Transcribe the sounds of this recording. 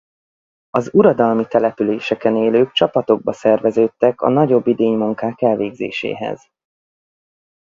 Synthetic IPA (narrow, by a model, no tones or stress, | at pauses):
ɒzuɾɒd̪ɒlmit̪ɛlɛpyleːʃɛkɛneːløːk̚t͡ʃɒpɒt̪o̞ɡ̚bɒsɛrvɛzøːt̪ːɛkɒ̰nɒɟo̞bːid̪eːɲmuŋkaːkɛlveːɡzḛːʃḛːɦɛ̰z̥